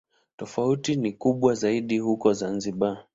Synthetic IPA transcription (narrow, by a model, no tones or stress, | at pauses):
tɔfautinikuɓwazaiɗihukɔzanziɓa